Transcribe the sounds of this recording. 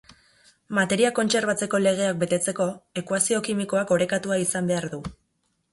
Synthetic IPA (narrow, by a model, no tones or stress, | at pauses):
mat̪e̞ɾiako̞nt͡se̞ɾβ̞at͡se̞ko̞le̞ɣ̞e̞ak̚be̞t̪e̞t͡se̞ko̞e̞kwasio̞kimiko̞ako̞ɾe̞kat̪uaisambe̞aɾðu